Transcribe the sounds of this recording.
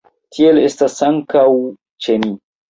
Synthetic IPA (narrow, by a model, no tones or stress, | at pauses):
tʰielestasaŋkaw | t͡ʃeni